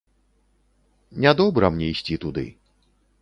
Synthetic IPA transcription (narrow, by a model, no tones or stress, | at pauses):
nʲad̪ɔbɾɐmnʲɛisʲt͡sʲit̪ud̪ɨ̰